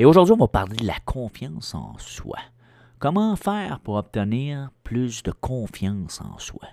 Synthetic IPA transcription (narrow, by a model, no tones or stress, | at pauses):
eoʒʊʁd̪zɥiɔ̃vapaʁled̪əlakʰɔ̃fjɑ̃sɑ̰̃swa̰ | kɔmɑ̃fɛːʁpuʁɔp̚t̪əniːʁpʰlʏsd̪əkʰɔ̃ːfjɑ̃ːsɑ̰̃swa̰